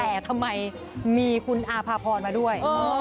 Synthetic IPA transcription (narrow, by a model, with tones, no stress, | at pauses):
ɛː˨˩t̪ʰa˧mːa˧j | miː˧kʰu˧nʔaː˧pʰaː˧pʰɔː˧nmaː˧du˥˩əjɤː˧